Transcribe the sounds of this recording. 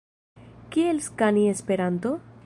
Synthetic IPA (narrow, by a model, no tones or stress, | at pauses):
kielskaniespeɾant̪o